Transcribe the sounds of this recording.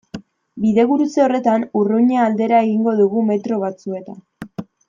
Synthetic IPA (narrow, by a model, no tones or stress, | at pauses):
biðe̞ɣuɾut͡seo̞re̞t̪anuruɲeːld̪e̞ɾae̞ɣiŋɡo̞ðuɣume̞t̪ɾo̞β̞at͡sue̞t̪a